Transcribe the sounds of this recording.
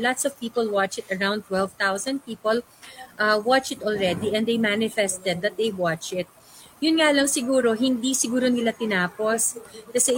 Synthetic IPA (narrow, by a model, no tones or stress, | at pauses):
lat̪sɔv̥piːpɔlwat͡ʃɪt̪ɐɹãw̃nd̪̚t̪wɛlvt̪awsɐ̃nd̪̚piːpɔl | ʔawat͡ʃɪt̪ʔɔlɹɛd̪iɛ̃nd̪ejmanɪfɛst̪ɛd̪ːɐt̪̚d̪ejwat͡ʃɪt̪̚ | jʊnŋaːlɐŋsɪɡuːɾoɦɪnd̪isɪɡuːɾonɪlat̪ɪnaːposkɐsɛ